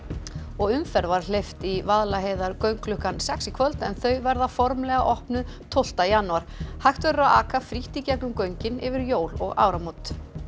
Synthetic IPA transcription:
ɔɣʏmfɛɾvaɾ̥l̥ejft̪ivaðlaɦeːjðaɾkœɥŋklʏhkansɛksikʰvœlt̪ɛnθœɥvɛɾðafɔɾmlɛɣa̰ʔɔhpnʏð | t̪ʰowl̥t̪ajanːuaɾ̥hajht̪vɛɾʏɾaa̰ːkafɾiht̪icɛknʏmkœɥɲcɪnɪvɪɾjoːwlɔɣa̰ːwɾamowt̪

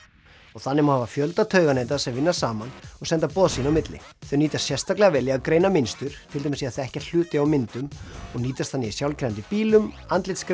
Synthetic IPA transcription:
ɔɣθanːɪmahavafjœlt̪at̪ʰœːɥɣanejt̪̬asɛmvɪnːasaːmanɔɣsɛnt̪apɔːðsiːnawmɪt̪lɪ̰θœɥniːt̪ast̪sjɛr̥st̪aklɛɣavɛːlːɪakɾejnamɪnst̪ʏɾ̥t̪ʰɪlejmɪsiaθaɛhcɛ̥l̥ʏːt̪ɪawmɪnt̪ʏmɔɣniːt̪ast̪θʰanːɪisjawlcʰɾɛant̪ɪpiːlʏm | ant̪lɪt̪skɾ

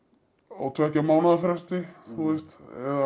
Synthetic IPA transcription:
ɔ̰ɣt̪ʰvɛhcamaːwnaðafɾɛst̪ɪθuɛst̪ɛ̰ða

